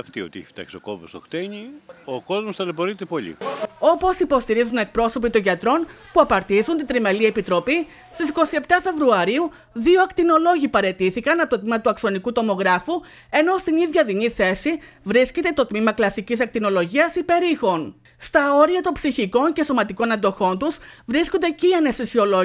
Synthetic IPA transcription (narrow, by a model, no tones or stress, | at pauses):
ɐft̪io̰t̪iḭft̪ɐ̰ksokopost̪o̰xt̪eɲioko̞zmost̪ɐlepoɾit̪epo̞ʎḭo̞po̞sipo̞st̪iɾizune̞k̚pɾo̞so̞pit̪o̞nʝɐt̪ɾo̞npuɐpɐɾt̪izunt̪id̪ɾimeliepit̪ɾo̞pi | st̪isiko̞sie̞pt̪ɐfe̞vɾuɐɾiu | ðioɐkt̪ino̞lo̞ʝipɐɾe̞t̪iθikɐnɐpt̪o̞t̪̚mimɐt̪uɐkso̞nikut̪o̞mo̞ɣɾɐfu | e̞no̞st̪iniðʝɐðiniθe̞si | vɾisce̞t̪e̞t̪o̞t̪mimɐklɐsicis̬ɐk̚t̪ino̞lo̞ʝiɐsipe̞ɾixo̞n | st̪ɐo̞ɾiɐt̪o̞nbsiçiko̞nce̞so̞mɐt̪iko̞nɐnd̪o̞xo̞nt̪usvɾiskond̪eceiɐnest̪isio̞lo